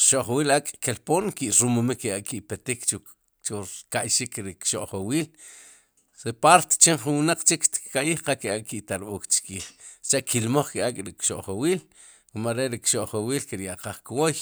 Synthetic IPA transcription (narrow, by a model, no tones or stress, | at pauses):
ʃoʔχowiːlakʼkelpoːnkiʔɾumomikeaʔkiʔpet̪ikt͡ʃu | t͡ʃuɾkaʔjʃikɾikʃoʔχowiːl | ɾepaɾt̪e̥t͡ʃemχunwnaq͡χt͡ʃikʃt̪i̥kkaʔjiːχqakeaʔʼkiʔt̪aɾɓoːkt͡ʃkiːχt͡ʃaʔkʰilmoχkiakʼɾikʃoʔχowiːl | wumaɾeɾikʃoʔχowiːlkiɾjaʔqaχkwoj